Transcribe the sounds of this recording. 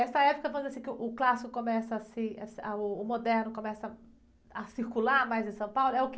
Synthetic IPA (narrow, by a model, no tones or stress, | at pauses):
ɛst̪ɐɛpʊkɐvõmʊzasĩkɪʊʔʊklasikʊkomɛsɐasɪɐsaʊːmod̪ɛɾnʊkõmɛsɐ | ɐsiɾkulaɾmajzẽsɐ̃w̃pawlʊɛʊk